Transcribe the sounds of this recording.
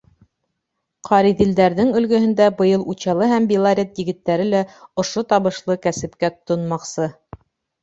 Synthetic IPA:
qʰɑɾiðild̪æɾðɘŋɵ̆lɡɵ̆ɦɘ̆nd̪æbɤ̆jɤlˠut͡ɕɑlˠɤɦæmbilˠaɾʲet̪jɘ̆ɡɘ̆t̪ːæɾɘlæŏʃot̪ɑβɤ̆ʃlˠɤkæsɘ̆pkæt̪ŏnmɑqsɤ

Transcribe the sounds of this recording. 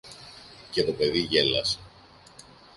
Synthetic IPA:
ce̞t̪o̞pe̞ðiʝe̞lɐse

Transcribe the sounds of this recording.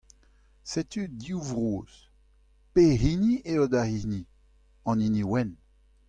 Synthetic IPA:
set̪ydiuvʁoːz̥ | peɦinieodahini | ɑ̃niniwɛn

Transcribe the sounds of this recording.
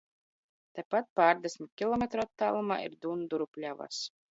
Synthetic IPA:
t̪ajpat̪̚paːɾd̪esʲmʲit̪̚ʲkʲilˠɔmʲet̪ɾɔat̪ːaːlˠuma̰ːḭɾd̪und̪uɾupʲlʲava̰s

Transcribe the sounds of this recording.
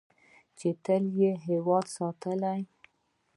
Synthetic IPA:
t͡ʃet̪əljeɦewɑd̪sɑt̪əlaj

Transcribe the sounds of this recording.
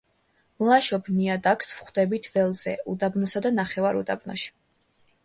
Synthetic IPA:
mlˠaʃɔbʰniad̪akʰsvχd̪ɛbit̪ʰvɛlˠzɛ̰ud̪abnɔsad̪anaχɛvaɾṵd̪a̰bnɔ̰ʃi̥

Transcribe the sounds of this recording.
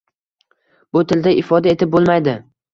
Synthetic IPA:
bʊt̪ʰɪld̪aʔɪfɒd̪ae̞t̪ɪp̚bolˠmajd̪ɪ

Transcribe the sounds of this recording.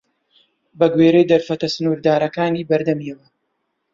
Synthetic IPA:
bɐɡweːɾejd̪ɐɾfɐt̪ɐsɨnuːɾd̪aːɾɐkaːniːbɐɾd̪ɐmiwɐ

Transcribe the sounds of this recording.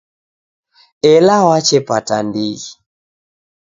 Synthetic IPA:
ɛlawat͡ʃɛpatandiɣi

